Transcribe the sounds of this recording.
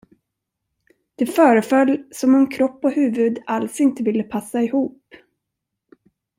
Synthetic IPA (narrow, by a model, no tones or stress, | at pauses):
d̪̥ɛfœːɾəfœlːsɔmɔmkʰɾɔpːɔhʉ̟ːvɵd̪alsɪnt̪əvɪlːəpʰasːaɪhuːp